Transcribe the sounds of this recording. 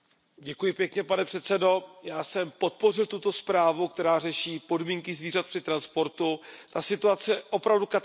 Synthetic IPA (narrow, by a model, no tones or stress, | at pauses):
ɟɛkujɪpjɛkɲɛpanɛpr̝̥ɛt̪sɛdo̞jaːsɛmpo̞t̪̚po̞r̝ɪlt̪ut̪o̞spɾaːvuk̚t̪ɛɾaːr̝ɛʃiːpo̞dmiːŋkɪzviːrat̪pr̥ɪt̪ɾanspo̞ɾt̪ut̪asɪt̪uat͡sɛʔo̞pɾavduka